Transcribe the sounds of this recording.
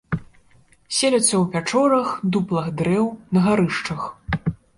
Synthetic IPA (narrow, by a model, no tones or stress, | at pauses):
sʲelʲɐt̪sːɐwvʲat͡ʂɔɾɐxd̪uplˠɐɣd̪ɾɛwnɐɣaɾɨʂt͡ʂɐx